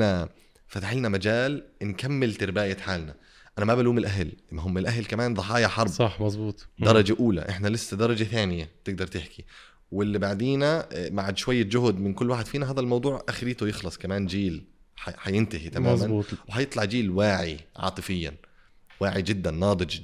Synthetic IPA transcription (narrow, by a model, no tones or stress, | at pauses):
na | fat̪aħɪlnamad͡ʒaːlnkamːɪlt̪ɪɾbaːjaħaːlna | ʔanæmabaluːmɪlʔaɦlʔɪmːaɦʊmːɪlʔaɦlkamaːnðˤɑħɑːjɑħɑɾˤbsˤɑmɑzˤbuːt̪ˤd̪ɑɾˤɑd͡ʒaʔuːla̰ʔɪħnælɪsːad̪ɑɾˤɑd͡ʒaθaːnɪjat̪ɪɡ̚d̪ɑɾˤt̪ɪħki | wɪlːibaʕd̪iːnamaʕad̪ʃwajːad͡ʒʊhd̪mɪnkʊlːwaːħɪd̪fiːnaɦaːðælmɑwd̪ˤuːʕʔaxɪɾiːt̪ʊjɪxlɑsˤkæmaːnd͡ʒiːl | ħaħajɪnt̪ahit̪amaːzmænːt̪wɪhɑjet̪ˤlɑʕd͡ʒiːlwaːʕiʕɑ̰ːt̪ˤɨfɪjːa̰n | waːʕid͡ʒɪd̪ːænːɑːd̪ˤɨd͡ʒ